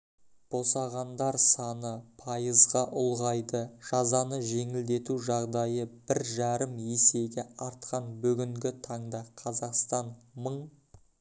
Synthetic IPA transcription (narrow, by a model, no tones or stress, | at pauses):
b̥o̞sɑʁɑnd̪ɑɾsɑnəpʰɑjəzʁɑʔʊlˠʁɑjd̪əʒ̥ɑzɑnəʒe̞ŋɪld̪e̞t̪uʒɑʁd̪ɑjəb̥ɪɾʒɑɾəmese̞ɡʲeɑɾt̪̚qɑnbʏɡʲɪŋɡʲɪt̪ʰɑɴd̪ɑqʰɑzɑqst̪ɑnməɴ